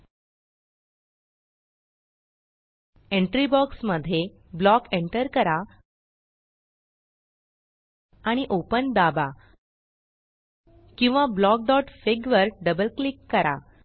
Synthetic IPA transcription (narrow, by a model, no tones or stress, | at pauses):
eɳʈɾibɔksməd̪ʱːje | blɔkeɳʈəɾkəɾa | aɽ̃iʔopənd̪aba | kĩw̃ʋablɔk̚d̪ɔʈfeɡʋəɾɖəbəlklikːəɾa̰